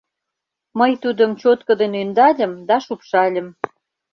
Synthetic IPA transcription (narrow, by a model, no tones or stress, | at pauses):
məjt̪ud̪əmt͡ɕot̪kɤ̆d̪enynd̪ɑlʲə̆md̪ɑʃupʃɑlʲə̆m